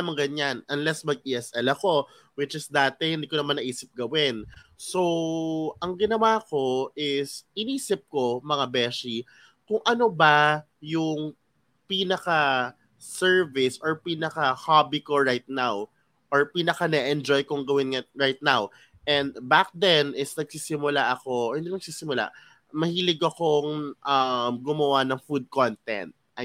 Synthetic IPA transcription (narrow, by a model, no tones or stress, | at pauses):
ɐmɐŋɡɐɲanʔɐnlɛsmɐɡ̚ʔiːʔɛsʔɛlɐko̞ | wɪt͡ʃɪsd̪aːt̪ɛhɪnd̪iːkoɐmanʔɐʔiːsɪp̚ɡɐwɪnso̞ʔɐŋɡɪnɐwaːko̞ʔɪsɪniːsɪp̚ko̞mɐŋabɛʃi | kʊŋʔɐno̞ba | jʊŋ | piːnɐka | sɛɹvɪsɔɹpiːnɐkɐhabikoɹajt̪̚naw | ʔoɹpiːnɐkanɛʔɛnd͡ʒojkoŋɡɐwɪnŋɐɹajt̪̚naw | ʔɛnd̪bak̚d̪ɛnɪsnɐɡsisɪmʊlaʔɐko̞hɪnd̪imɐɡ̚siːsɪmʊla̰ʔ | mɐhiːlɪɡɐkoŋʔɐmɡʊmɐwanɐŋfud̪̚kont̪ɛ̰nt̪̚ʔɐ